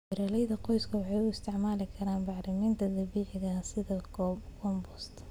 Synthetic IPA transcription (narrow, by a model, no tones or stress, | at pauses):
wɪɾɐlɛjðɐqɔjskʰɐwɑħɑjʊɪst̪ʰɪʕmaːlɪkʰɐɾaːnbɑʕɾɪmiːnt̪ʰɐd̪ɐbiːʕɪɣɐsɪðɐkːkʰɔmbɔst̪ʰ